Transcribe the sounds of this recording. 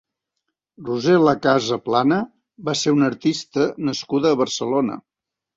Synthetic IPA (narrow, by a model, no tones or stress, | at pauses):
ruzeləkazəplanə | βaseunəɾt̪ist̪ənəskuðəːβərsəlonə̰